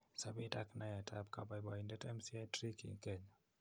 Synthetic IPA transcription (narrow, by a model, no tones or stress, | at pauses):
sabitaknajatʰab̚kabajbaindɛtɛmsiatɾikḭkɛɲa